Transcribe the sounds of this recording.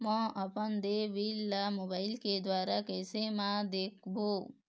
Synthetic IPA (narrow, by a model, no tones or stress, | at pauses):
mə̃ʔɐpənd̪eʋilːamoːbaːɪlked̪ʋaːɾakɛːsemãd̪eːkʰbʱoː